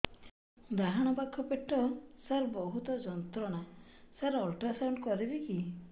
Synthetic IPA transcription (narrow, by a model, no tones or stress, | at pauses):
d̪aɦaɽ̃ɔpakʰːɔpeʈːɔsaɾbɔɦut̪ɔd͡ʒɔnt̪ɾɔɽ̃asaɾɔlʈɾasawɳɖkɔɾibiki